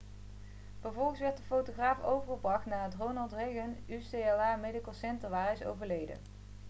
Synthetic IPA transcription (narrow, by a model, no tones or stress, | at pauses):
v̥əɹvɔlˠχəsʋɛɹtdəfowtoχraːfowvəɹχəbrɑxtnaːətronɑlˠtrejɣənysejɛlˠaːmedikəlˠsɛntəɹʋaːɾɪso̰wvəɹlejdə̰